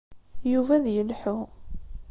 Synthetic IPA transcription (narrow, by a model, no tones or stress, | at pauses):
juvæðjəlħʊ